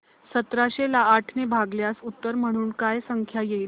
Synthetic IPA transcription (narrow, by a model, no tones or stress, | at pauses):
sət̪ɾaɕelaːʈʰnebʱaɡljasut̪ːəɾm̤əɽ̃uːnkajsəŋkʰjajeil